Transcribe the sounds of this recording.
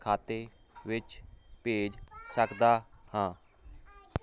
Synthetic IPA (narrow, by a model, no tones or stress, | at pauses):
kʰaːt̪eː | ʋɪt͡ʃpeːd͡ʒsəkd̪aːhãː